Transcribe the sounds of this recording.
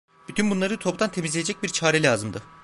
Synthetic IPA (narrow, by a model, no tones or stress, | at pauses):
b̥yt̪ʰynbunlˠaɾɯt̪ʰo̞pd̪ant̪ʰe̞mizlʲejed͡ʒɛc̚biɾt͡ʃʰaːɾɛlʲaːzɯmd̪ɯ